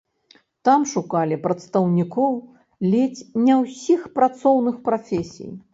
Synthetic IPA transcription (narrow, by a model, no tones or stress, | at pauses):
t̪amʂukalʲipɾɐt̪st̪ɐwnʲikɔw | lʲet͡sʲnʲɛwsʲixpɾat̪sɔwnɨxpɾafʲesʲḭj